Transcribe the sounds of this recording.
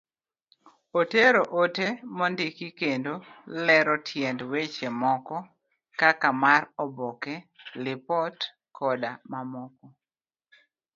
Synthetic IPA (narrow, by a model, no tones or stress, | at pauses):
oteɾoʔotemɔndɪkikendolɛɾɔtʰjɛndwet͡ʃemɔkɔ | kakamarɔbɔkɛlɪpɔt | kʰɔdamamɔkɔ